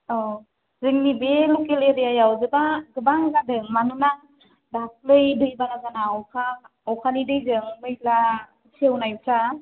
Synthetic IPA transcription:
ɔ | zɯŋnibelukeleɾijajawzɯbaɡɯbaŋɡadɯŋmanɯna | dap̚lɯjdɯjbanazanaɔkʰa | ɔwkʰanidɯjzɯŋmɯjla | siewnajbsa

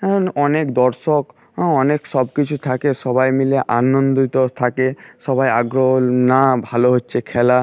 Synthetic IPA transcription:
kaɾɔnɔnekd̪ɔɾsɔk | ɦɔneksɔbkit͡ʃʰut̪ʰakesɔbajmileʔanɔnd̪it̪ɔt̪ʰakesɔbajaɡɾoɦɔlnabʱaloɦotːt͡ʃʰekʰɛla

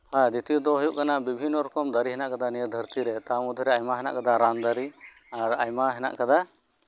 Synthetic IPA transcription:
hãd̪it̪ijɔd̪ɔɦɔjuʔkanabibʱinːɔɾɔkɔmd̪aɾiɦɛnaʔkad̪anijəd̪ʱəɾt̪iɾɛt̪amud̪ʱiɾɛajmaɦɛna̰ʔkad̪aɾand̪aɾi | aɾajmaɦɛna̰ʔkad̪a

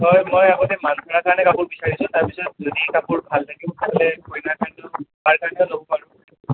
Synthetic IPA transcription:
ɦɔjmojaɡɔtɛmanpʰɔɹakʰaɹnɛkapʊɹbisaɹisʊ̃taɹpisɔt̚zodiɛkapuɹbʱaltʰakĩtabɔlɛkʰojnakʰantʊbaɹkʰantɔnobɔpaɹʊ̃

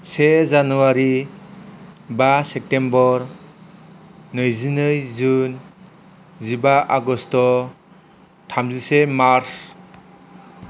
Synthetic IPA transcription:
sezanuwaɾi | basep̚tembɔɾ | nɯjzinɯjzun | zibaʔaɡɔstɔ | tʰamzisemaɾs

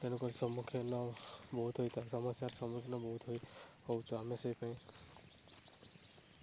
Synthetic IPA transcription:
t̪enukɔɾisɔmukʰjɔnɔbɔɦut̪ʰɦɔjt̪aisɔmɔsaɾsɔmukʰinɔbɔɦut̪ʰɦɔjhɔwt͡ʃʰɔameseipaĩ

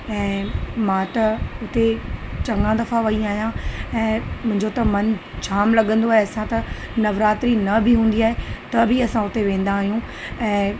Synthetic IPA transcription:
ɛ̃ːmãːt̪ɐʊt̪et͡ɕɐ̃ŋɡãd̪ɐfaʋɐĩaːɦijãɛ̃ːmʊ̃ɦɪ̃ɲd͡ʑot̪ɐmɐnt͡ɕʰaːmlɐɠə̃nd̪oaːɦeɐsãt̪ɐ | nɐʋɾaːt̪ɾinɐbʱɪɦũːn̆d̪iaːɦet̪ɐbʱɪɐsãʊt̪eʋẽːn̆d̪aːɦijũ | ɛ̃ː

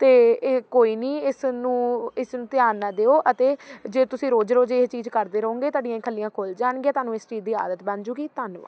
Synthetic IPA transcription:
t̪eːkoːiːnĩːɪsnũːɪsnũːt̪jaːɾːaːd̪eːoːʔət̪eːd͡ʒeːt̪ʊsĩːɾoːd͡ʒɾoːd͡ʒeːt͡ʃiːd͡ʒkəɾd̪eːɾəõːŋɡeːt̪aːɖijãːkʰəlːijãːkʰoːld͡ʒaːɳɡeɛːt̪ʊaːnũːɪsʈiːd̪iːa̰ːd̪ət̪bãːnd͡ʒuːɡiːt̪ənʋa̰ː

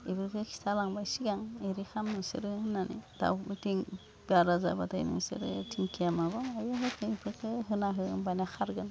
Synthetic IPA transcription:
ipʰɯɾkɯkʰi̥stʰalaŋbajsiɡaŋeɾixamnɯsɯ̰ɾɯhɯnanḭd̥a̰wtiŋ | biaɾaza̰ba̰ta̰jnḭŋsɯ̰ɾɯ̰tʰiŋkʰijamabɔŋajuɦɯkʰɯipʰɯkɯɦɯnaɦɯnbanaxʰaɾɡɯn

